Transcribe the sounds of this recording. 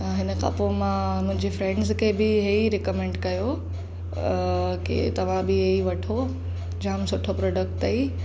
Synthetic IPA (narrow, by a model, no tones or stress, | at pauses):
ɦɪnə̆kɐ̰pomãmʊ̃ɦɪ̃ɲd͡ʑefɾɛ̃ːɳɖzkʰeːbɪɦeiɾɪkəmẽːɳɖkɐjo | kḛt̪ɐʋ̤ãbɪɦeiʋɐʈʰo | d͡ʑamsʊʈʰopɾoːɖək̚ʈɐi